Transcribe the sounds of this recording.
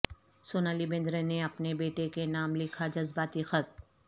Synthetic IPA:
soːnaːlibẽːnd̪ɾəneɐpnebeːʈekenaːmlɪkʰad͡ʒɐzbaːt̪ixət̪̚

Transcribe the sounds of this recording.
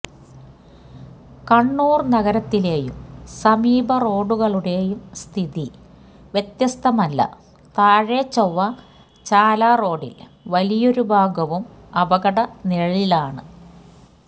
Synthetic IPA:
kɐɳːuːrnɐɣɐɾɐt̪ːile̞ːjṵmsɐmiːbʱɐro̞ːɽuɣɐɭuɽe̞jumst̪ʰiði | ʋjet̪jɐst̪ʰɐmɐlːɐ̰ | t̪aːɻet͡ɕːɐʋːɐ | t͡ɕaːlaːro̞ːɽḭl | ʋɐlijo̞ɾubʱaːɡɐʋum | ɐʋɐɣɐɽɐneɻɭilaːɳɨ

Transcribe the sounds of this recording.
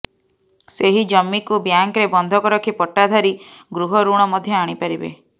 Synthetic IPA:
seɦid͡ʒɔmːikubjaŋkɾebɔnd̪ʱɔkɔɾɔkʰipɔʈːad̪ʱaɾiɡɾuɦɔɾuɽ̃ɔmɔd̪ʱjɔaɽ̃ipaɾibḛ

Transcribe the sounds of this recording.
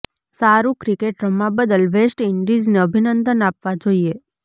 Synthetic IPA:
saɾũkɾikeʈɾəmːãbəd̪əlʋesʈɪɳɖid͡ʒneəbʱinənd̪ənapʋad͡ʒoie

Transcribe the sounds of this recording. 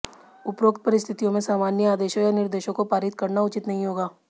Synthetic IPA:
ʊpɾoːkt̪̚pɐɾɪst̪ʰɪt̪ijõmẽsaːmaːnjəaːd̪eːʃõjanɪɾd̪eːʃõkopaːɾɪt̪kɐɾnaʊt͡ʃɪt̪nɐɦĩɦoːɡaː

